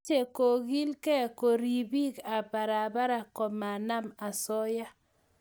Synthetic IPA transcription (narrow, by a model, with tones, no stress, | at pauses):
e˦˨ko˨ɣi˦lkɛ˦ko˨ɾi˨bi˦ka˨pa˨ɾa˨ba˦ɾa˨kɔ˨ma˨na˦ma˨sɔ˦ja˦